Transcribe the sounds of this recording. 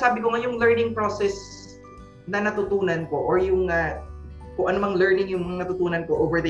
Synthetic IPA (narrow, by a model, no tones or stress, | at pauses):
saːbɪkoŋajʊŋlɛɹnɪŋpɾoːsɛs | nɐnɐt̪ʊt̪uːnɐnkoʔoɹjʊŋa | kʊŋʔɐnʊmɐŋlɛɹnɪŋjʊŋmɐŋɐnɐt̪ʊt̪uːnɐnkoʔoːvɛɹd̪ɐ